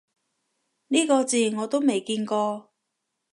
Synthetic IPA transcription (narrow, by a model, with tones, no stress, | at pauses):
niː˥kɔː˧t͡siː˨˩ŋɔː˨˧t̪o˥wme˨˩jkiː˧nkɔː˧